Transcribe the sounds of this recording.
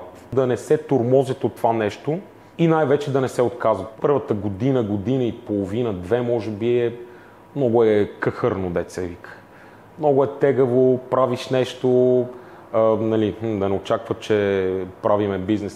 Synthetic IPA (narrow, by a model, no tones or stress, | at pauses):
d̪ɐnɛsɛt̪oɾmɔzit̪ot̪ːovanɛʃt̪o | inajvɛt͡ʃɛd̪ɐnɛsɛot̪kazvət̪pɤɾvət̪əɡod̪inəɡod̪inəipolˠovinəd̪vɛmɔʒɛbiɛ | mnɔɡʊɛkɤxəɾnod̪ɛt̪sɛvikə̥ | mnɔɡʊɛt̪ɛɡəvopɾaviʃnɛʃt̪o | nɐlim̩d̪ɐnɛot͡ʃakvət͡ʃɛpɾavimɛbiznɛs